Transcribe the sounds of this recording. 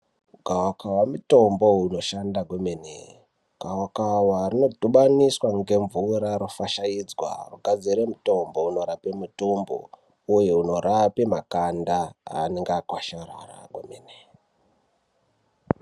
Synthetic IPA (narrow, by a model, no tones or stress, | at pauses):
ɡʱawakawamuto̞mbo̞uno̞ʃandaɡʱwemenḛ | ɡ̥ʱawakawarino̞dʱuɓaniswaŋɡe̞ɱvuɾaɾofaʃaid͡zwa̰ruɡʱad͡ziɾemuto̞mbo̞uno̞ɾapemutombo̰ | ujeuno̞ɾapimakandaa̰ːneŋɡakwaʃara̰ra̰ɡwḛmene